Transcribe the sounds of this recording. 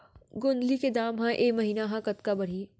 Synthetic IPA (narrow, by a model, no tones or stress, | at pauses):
ɡʊnd̪liked̪aːmɦãʔeːmɐɦiːnaɦãkɐt̪kabɐɽ̤iː